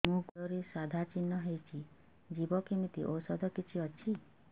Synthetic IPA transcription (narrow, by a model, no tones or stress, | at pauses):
mũɡɔɾisad̪ʱat͡ʃinːɔɦejt͡ʃʰi | d͡ʒibɔkimit̪ḭʔowsɔd̪ʱɔkit͡ʃʰiɔt͡ʃʰi